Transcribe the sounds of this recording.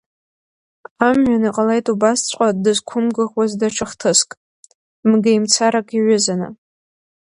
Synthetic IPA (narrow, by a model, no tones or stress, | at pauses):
amɥaniqʼalejtʼubast͡sʷʰʼqʷʼadɨzkʷʰʊmɡɨʁwazdaʈ͡ʂʰɨχtʰɨskʼ | mɡajmt͡sʰaɾakʼiɥʊzana̰